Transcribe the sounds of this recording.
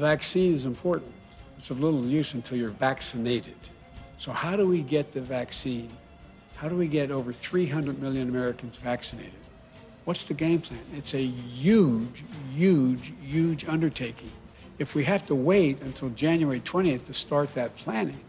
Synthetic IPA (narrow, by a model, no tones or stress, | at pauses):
væksĩnɨzə̃mpʰɔɹʔn̩t | ɨtsʌvlɪɾl̩ˠjʉsɨ̃n̩tʰɪlˠjə˞væksɨneɪɾɨd̥ | soʊhaʊɾəwiɡɛt̪̚ðɨvæksĩn | haʊɾəwiɡɛɾoʊvə˞θɹiɦʌ̃ndɹɨd̚mɪlˠjɨ̃nəmɛɹɨkɨ̃n̩zvæksɨneɪɾɨd̥̚ | wʌtsðɨɡẽɪ̃mpʰl̥æ̃nɨtsɨjʉd͡ʒjʉd͡ʒjʉd͡ʒʌ̃ndə˞tʰeɪkɪ̃ŋ | ɨfwiɦæftəweɪɾɨ̃ntʰɪlˠd͡ʒæ̃njuɛɹitʰw̥ɛ̃ɾ̃iɨθtʰɨstɑɹt̪̚ðɨt̚pʰl̥æ̃nɪ̃ŋ